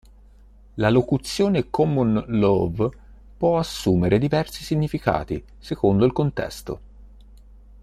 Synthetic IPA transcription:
lalokut̪sːjoːnekʰɔmonlov | pwɔasːuːmeɾed̪ivɛrsisiɲːifika̰ːt̪i | sekond̪oilkont̪ɛ̰st̪o̰

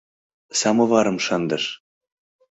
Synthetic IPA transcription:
sɑmɤ̆vɑɾɤ̆mʃɑnd̪ɤʃ

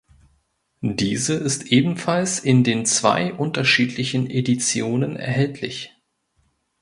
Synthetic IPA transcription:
diːzəɪstʔeːbm̩falsɪndeːnt͡sv̥a̰ɪʔʊntɐʃiːtʰlɪçn̩edit͡sjoːnənɛ̰ɐɦɛltʰlɪ̰ç

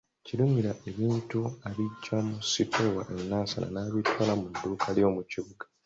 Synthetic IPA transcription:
cilumiɾaʔe̞βiːntuaβiɟːomusitʰowaʔe̞nːaːsa̰la̰naːβitʰwaːlamudːuːkʰaljo̞ːmuciβuɡa

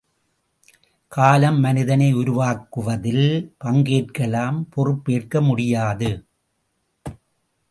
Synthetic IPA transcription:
kaːlɐmːɐnɪðɐnɐɪʊɾʊʋaːkːɯʋɐðɪlpɐŋɡeːʈkɐɭaːmpɔrɯpːeːrkɐmʊɽɪjaːðɯ

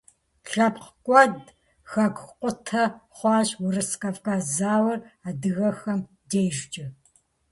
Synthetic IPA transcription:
ɬɐpqkʷʼɔd | xɐɡʷqʷʼʊtʰɐχʷɑːʑwʊrɨskʼaːvkʰaːzaːwɐraːdɨɣɐxɐm | dejʒt͡ʃʼɪ

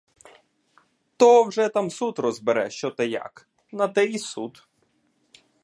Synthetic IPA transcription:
t̪ɔwʒɛt̪amsut̪rɔzbɪɾɛ̰ʃt͡ʃɔt̪ɪja̰k | nɐt̪ɛisut̪

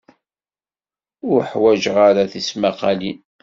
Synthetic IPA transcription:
ʊɾħwæʒʁaɾaθismaqɑli

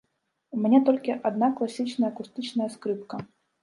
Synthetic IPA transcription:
umʲɛnʲɛt̪ɔlʲkʲiʔad̪naklˠasʲit͡ʃnɐjɐɐkust̪ɨt͡ʃnɐjɐskɾɨpkɐ

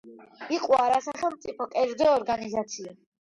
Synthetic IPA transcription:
iqʼwaɾasaχɛlˠmt̪sʼipʰɔkʼɛɾd̪zɔːɾɡanizat̪sʰia

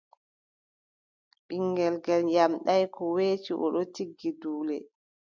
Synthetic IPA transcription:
ɓiŋɡɛlɡɛljamɗajkɔweːt͡ʃiʔɔ̰ɗɔtiɡːiduːlɛ

